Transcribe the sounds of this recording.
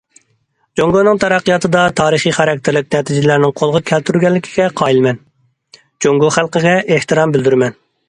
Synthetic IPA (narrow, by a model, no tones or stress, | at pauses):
d͡ʒoŋɡonɨŋt̪ʰɑɾæqːijɑt̪ʰɨd̪ɑt̪ʰɑːɾəχiχæɾɛk̚ʲt̪ʰɪɾlɪkʲnɛt̪ʰɪd͡ʒɪlæɾnɪŋqʰolˠʁɑkʲʰælt̪ʰyɾɡʲɛnlːɪkʲʰi̥ɡʲɛqʰɑːilˠmɛn | d͡ʒoŋɡoχælˠqəɡʲɛʔeht̪ɨɾɑmbɪld̪yɾmɛn